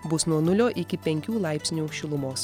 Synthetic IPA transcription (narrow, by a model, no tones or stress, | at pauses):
bʊsnuɔnʊlʲoːʔɪkʲɪpʲɛŋʲkʲuːlˠɑɪpʲsʲnʲuːʃʲɪlˠʊmoːs